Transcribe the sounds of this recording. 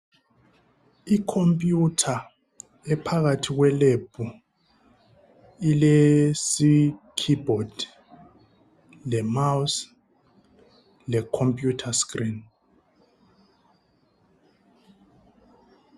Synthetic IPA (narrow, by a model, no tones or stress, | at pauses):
ikʰompʼjutʰa | ɛpʰaɣatʰiɣ̬wɛlebʰʼu | ilesikʰibɔd̥ | lɛmaws | lɛkʰompʼjutʰaskʼrin